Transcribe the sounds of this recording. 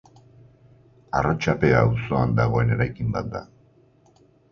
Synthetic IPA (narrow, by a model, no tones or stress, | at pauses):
arot͡ʃape̞aːwso̞and̪aɣ̞o̞e̞ne̞ɾajkimbat̪̚d̪a̰